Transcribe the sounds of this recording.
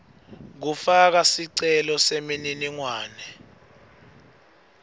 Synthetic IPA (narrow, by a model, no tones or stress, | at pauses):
k̬ufak̬asiǀɛlɔsemininiŋwaːnɛ